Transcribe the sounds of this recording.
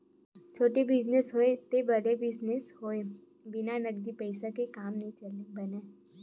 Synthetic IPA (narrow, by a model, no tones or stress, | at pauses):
t͡ʃʰoːʈibɪd͡ʒnesɦoːet̪ebəɾebɪd͡ʒnesɦoːe | bɪnanɐɡd̪ipəɪsakekaːmnɐɦĩt͡ʃɐlebɐneː